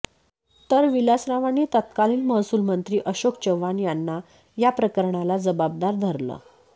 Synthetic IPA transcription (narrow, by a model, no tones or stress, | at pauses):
t̪əɾʋilasɾaʋañit̪ət̪̚kaliːnməɦsuːlmənt̪ɾiːʔəɕokt͡ɕəʋːanjanːa | japɾəkəɾɳalad͡zəbab̚d̪aɾd̪ʱəɾlə̰ː